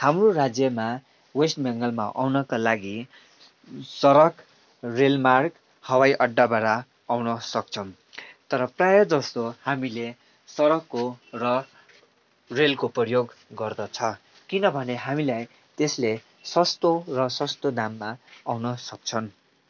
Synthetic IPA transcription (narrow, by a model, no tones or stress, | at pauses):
hamrorad͡zjʌma | wesʈmʌŋɡʌlmaʔawnʌkalaɡi | sʌɾʌk | relmark | hʌwajʔʌɖːabaɾa | awnʌsʌk̚t͡sʰʌw | t̪ʌɾʌprajʌd͡zʌst̪ohamile | sʌɾʌkːorʌ | relkopʌjoɡɡʌrd̪ʌt͡sʰʌ | kinʌbʱʌneɦamilaj | t̪esle | sʌst̪orʌsʌst̪od̪amːaawnʌsʌk̚t͡sʰʌn